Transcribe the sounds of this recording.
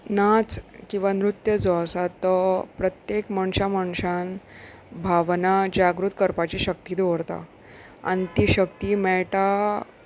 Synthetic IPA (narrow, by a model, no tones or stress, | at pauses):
nat͡skĩw̃ʋanɾut̪jəd͡zɔəsat̪ːəpɾət̪jekməɳɕaməɳɕan | bʱaʋnad͡ʑaɡɾut̪̚kəɾpat͡ɕiɕək̚t̪iːd̪oʋɾt̪a̰ | a̰ñit̪iːɕəkt̪iːmɛɭʈa